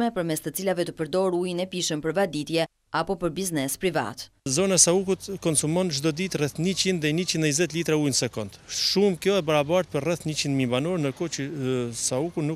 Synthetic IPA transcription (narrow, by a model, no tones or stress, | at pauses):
mɛpəɾmɛst̪ət͡silavɛt̪əpəɾd̪ɔɾujnɛpiʃənpəɾvad̪it̪jɛ | apɔpəɾbiznɛspɾiva̰t̪ | zɔnasaukut̪kɔnsumɔnd͡ʒd̪ɔd̪it̪rɛθɲit͡ʃind̪ðɛɲət͡ʃinɛzɛt̪lit̪ɾaujnəsɛkɔnd̪ʃumkjɔɛbaɾabaɾt̪̚pəɾrɛθɲət͡ʃind̪mibanɔɾnəkɔt͡ʃəsaukunu